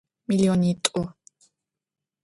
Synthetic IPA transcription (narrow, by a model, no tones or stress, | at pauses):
miliɔnit̪ʼɔ